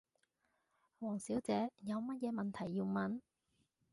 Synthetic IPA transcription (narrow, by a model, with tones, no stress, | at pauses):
wɔː˨˩ŋsiː˨˥wt͡sɛː˨˥jɐ˨˧wmɐ˥t̚jɛː˨˧mɐ˨nt̪ʰɐ˨˩jːi˧wmɐ˨˥n